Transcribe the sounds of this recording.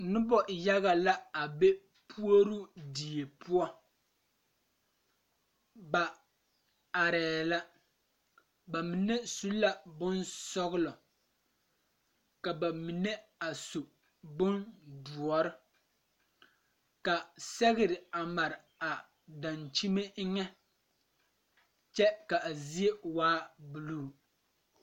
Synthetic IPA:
nɨ˦bɔ˦˨ja˦ɣa˨la˦a˨be˦ | pʰu˦o˦ɾu˦di˨je˨pu˦ɔ˦ | ba˨ | a˨ɾɛː˨la˦ | ba˨mi˨nɛ˦su˦la˦bʊ˦nsɔ˦ɣʊ˦lɔ˨ | ka˨ba˨mi˨nɛ˦a˨su˨ | bʊ˦ndu˨ɔ˨ɾɨ˦ | ka˨sɛ˦ɣɪ˦ɾɪ˨a˨ma˨ɾɪ˨ | a˨ | da˨nt͡ʃi˦me˦ŋɛ˦ | t͡ʃɛ˦ka˨ʔzi˦e˦waː˦bu˨luː˦˨

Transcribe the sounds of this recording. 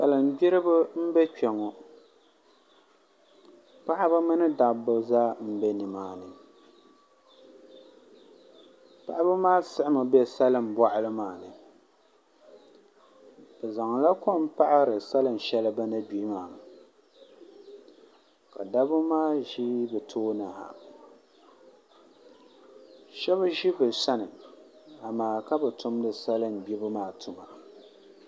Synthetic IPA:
sa˨lɨ˨n̩˨ɡ͡bɪ˦ɾɨ˦bɨ˦m̩˦bɛ˦t͡ʃɛ˨ŋɔ˨ | pa˦ʔɪ˦bɨ˦mɨ˦nɨ˦da˨bɨ˦zaː˦m̩˦bɛ˦nɨ˨maː˨nɨ˨ | pa̰˦ʔa˦bɨ˦maː˦sɨ˦ʔɪ˦mɨ˨bɛ˦sa˦lɨ˨m˨bwa˦˨ʔɪ˦lɨ˦maː˨nɨ˨ | bɛ˨za˨ŋla˦ko˦m˦pa˦ʔa˦ɾɨ˨sa˦lɨ˨n˨ʃɛ˦lɨ˦ba˦na˦biː˨˦maː˨ | ka̰˨da˦bɨ˦maː˦ʒi˦bɨ˨tʰoː˦na˨ha̰˨ | ʃɛ˦βɨ˦ʒi˦bɨ˨sa˦nɨ˨a˨maː˨ka˦bɨ˨tʊ˦m˦dɨ˨sa˦lɨ˦m˨bi˦bɨ˦maː˨tʰʊ˨ma˨

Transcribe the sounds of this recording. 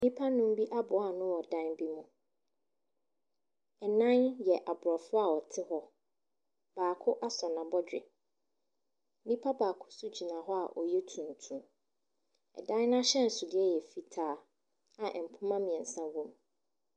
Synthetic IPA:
nĩ˦pʰa˦nʊ̃˦m˦bi˦ʔa˦bʊ˨˦a˨nʊ̃˦wɔ˨dã˦nbi˦mũ˨ | ɛ˨nã˦njɛ˨ʔa˨bʊ˨ɾɔ˨fʊ˦a˨wɔ˨tʰɪ˦hɔ˦ | b̥aː˨kʰʊ˦ʔa˦sɔ˨nã˨bɔ˦d͡ʑᶣɪ̰˨˦ | nĩ˦pʰa˦baː˨kʰʊ̥˦sʊ˦d͡ʑi˨nã˨ɦɔ˦a̰˨ʔɔ˨jɛ˦tʰũ˨n˨tʰũ˦ | ɛ̰˨dã˦n˦nã˦ɕɛ˦n̩˨sʊ˨dɪ˦ɛ˦jɛ˨fi˨tʰaː˨ | a˨ʔɛ˨m̩˨pʰʊ̃˦mã˦mĩ˨ɛ̃˨n̩˨sã˦wõ˦m

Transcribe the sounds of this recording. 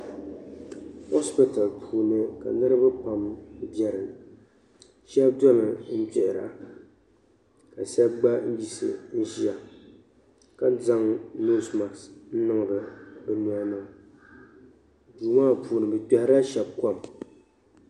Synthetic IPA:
ho˦spi˦ta˨lpʰuː˨nɨ˦ka̰˨nɨ˦ɾɨ˦ba˦pa˨mbjɛ˨ɾɨ˨ | ʃɛ˦bdɔ˦lɨ˨n̩˦d͡ʒɛ˨ʔɾa̰˨ | ka˨sɛ˦bɡ͡ba˦n̩˦ji˨sɨ̰˨n̩˦ʒi˦a˨ | ka˦n˦za˦ŋno˦sma˨ksn̩˦nɨ˦ŋ˨ɾɨ˨bɨ˨nu˨a˦na˦˨ | duː˨maː˦puː˨nɨ˨bɨ˨k͡pɛ˦hɪ˦ɾa˦ʃɛ˨b̚ka˦˨m

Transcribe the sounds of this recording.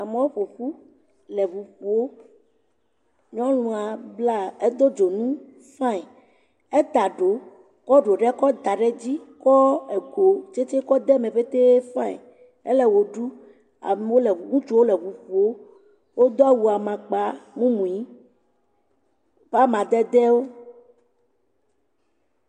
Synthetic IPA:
a˨mɔ̃˨˦wo˦ɸo˨ɸu˦ | lɛ˨vu˨ɸu˨wo˦ | ɲɔ̃˦lũ˨a˨bla˦e˦d̪o˦d͡ʒo˨nũ˦ | fã˦˨ɛ˨ | e˦t̪a˨ɖo˨ | kɔ˦ɖo˨ɖɛ˦kɔ˦d̪a˨ɖɛ˦d͡ʑi˦kɔ˦e˨ɡo˨t͡ʃe˦t͡ʃe˦kɔ˦d̪ɛ˦mẽ˨ɸe˦t̪e˦fã˦ɛ̰˨ | ḛ˦lɛ˦wo˨ɖu˦ | a̰˨m˨wo˦lɛ˨u˨ɡũ˦t͡ʃu˦wo˦lɛ˨βu˨ɸu˨o˦ | wo˦d̪ɔ˦a˦wu˨a˨mã˨k͡pa˨mũ˦mũ˨i˦ | ɸa˦mã˨d̪ɛ˦d̪ɛ˦wo˦

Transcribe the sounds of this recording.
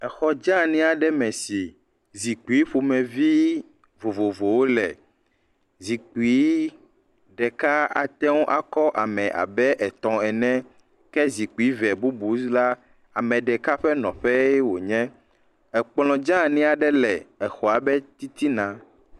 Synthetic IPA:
ɛ˨xɔ˨d͡ʒã˦nĩ˦a˨ɖɛ˦mɛ̃˨si˨ | zi˨k͡pu˨i˦ɸu˨mɛ̃˨vi˦ | vo˨vo˨vo˨wo˦lɛ˨ | zi˨k͡pu˨i˦ | ɖɛ˨ka˦a̰˨t̪ɛ̃˦wo˦ʔa˦kɔ˦ʔa̰˨mɛ̃˨ʔa̰˨bɛ˦ʔɛ˨t̪ɔ̃˨ɛ˨nɛ̃˦ | kɛ˦zi˨k͡pu˨i˨˦vɛ˨bu˦bu˨sla˦ | a˨mɛ̃˨ɖɛ˨ka˦ɸɛ˦nɔ̰̃˨ɸɛ˦jɛ˦wo˨ɲɛ̃˦ | ɛ˨k͡pl̃ɔ̃˨d͡ʒã˦nĩ˦a˨ɖɛ˦lɛ˨ɛ˨xɔ˨a˨bɛ˦t̪i˦t̪i˦nã˨

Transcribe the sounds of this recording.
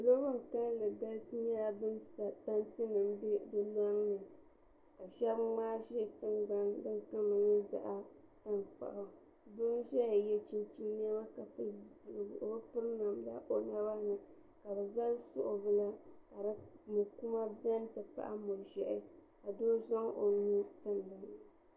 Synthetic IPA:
lo˦bɨ˦ŋ˨ka˦n˦lɨ˨ɡa˦ltɨ˦ɲɛ˦la˨bɨ˦nsta˦ntɨ˦nɨ˨m˦bɨ˦la˦ŋnɨ˨ | ka˨ʃɛ˦bmaː˦ʒɪ˦˨kɨ˦nɡ͡ba˦ndɨ˦ŋ˦ka˦mɨ˨ɲɛ˦za̰˨ʔa˦ta˦nk͡pa̰˨ʔa˨ | bʊ˦ʒɛ˦a˨jɛ˦t͡ʃi˦nt͡ʃi˦ne˦ma˦ka˨pɨ˦zpu˨lɨ˨bʔo˨bpɨ˦ɾɨ˦na˨mla˦ʔo˦˨na˦ba˦nɨ˨ | ka˨bɛ˨za˦lsʊ̰˦ʔo˨bɨ˦la˦ka˨ɾɨ˦mu˨ku˦ma˦bi˦ɛ˦n˦tɨ˨pa̰˦ʔa˦mo˨ʒɛ˨ʔɪ˦ | ka˨doː˦zɔ˦ŋʔo˨ni˦ta˦nː˨a˨n˨

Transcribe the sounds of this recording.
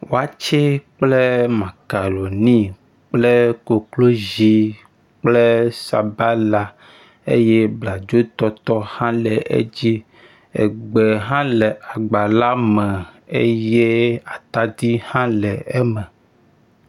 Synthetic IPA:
wo˨a˨t͡ʃɛ˦k͡ple˦mã˨ka˨lo˨nĩ˦ | k͡ple˦ko˨klo˦zi˦ | k͡ple˦sa˨ba˦la˨ | ḛ˦je˦bla˨d͡ʒo˦t̪ɔ˦t̪ɔ˦hã˦lɛ˨ʔḛ˦d͡ʑi˦ | ḛ˨ɡ͡bɛ˨ɦã˦lɛ˨ʔa˨ɡ͡ba˨la˦mɛ̃˨ḛ˦je˦a˨t̪a˦d̪i˦hã˦lɛ˨ɛ˦mɛ̃˨

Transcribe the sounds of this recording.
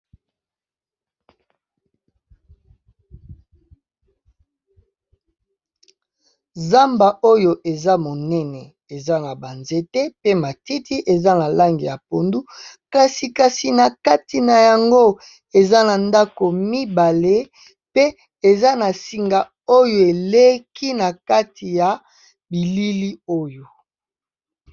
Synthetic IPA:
za˦mba˨ʔo˦jo˨ʔe˨za˦mo˨nɛ˦nɛ˨ | e˨za˦na˨ba˨nze˦te˦pe˦ma˨ti˦ti˦ʔe˨za˦na˨la˦ŋɡi˨ja˨po˨ndu˦ka˨si˨ka˨si˨na˨ka˦ti˨na˨ja˨ŋɡo˦ | e˨za˦na˨nda˦ko˨mi˦ba˨le˦ | pe˦ | e˨za˦na˨si˨ŋɡa˨ | o˦jo˨e˨le˦ki˦na˨ka˦tʰi˨ja˨ | bi˨li˦li˦o˦jo˨

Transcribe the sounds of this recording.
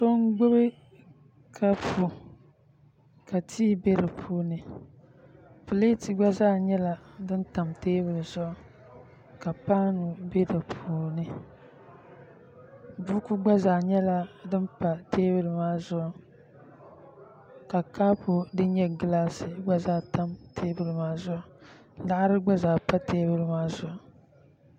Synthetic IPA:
so˦ŋɡ͡bʊ˦bɨ˦ | kʰa˦pʰu˨ | ka˨tʰiː˦be˦ɾɨ˨pʰuː˦nɨ˨ | pu˨le˦ti˨ɡ͡ba˦zaː˦ɲɛ˦la˨dɨ˦nta˨mteː˦bɨ˨ɾɨ˨zʊ˦ʔ | ka˨paː˦nu˨be˦dɨ˨pʰuː˨˦nɨ˨ | bu˦ku˦ɡ͡ba˦zaː˨ɲɛ˦la˦dɨ˦npa˨teː˦bɨ˦ɾɨ˨maː˦zʊ˦ʔ | ka˨kaː˦pu˨dɨ˦ɲɛ˦ɡɨ˦laː˦sɨ˨ɡ͡ba˦zaː˦ta˦mtʰeː˦bɨ˨ɾɨ˨maː˦zʊ˦ʔ | n˦da˦ʔɾɨ˦ɡ͡ba˦zaː˨pa˦teː˦bɨ˦ɾɨ˨˦maː˦zʊ˨ʔ

